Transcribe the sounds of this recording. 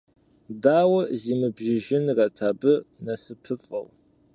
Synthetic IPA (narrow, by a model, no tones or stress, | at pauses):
daːwɐziːmɨbʒɪʒɪnrɐtʰaːbɨnɐsɨpʰɨfʼɐ̰w